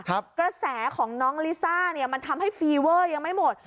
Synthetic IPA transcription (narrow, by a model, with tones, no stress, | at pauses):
kʰkɾa˧sɛː˩˦kʰɔː˩˦ŋnɔː˦˥ŋliː˦˥saː˥˩ni˥˩ɐma˧nt̪ʰa˧mha˥˩jfiː˧wɤː˥˩ja˧ŋma˥˩jmo˨˩t̪̚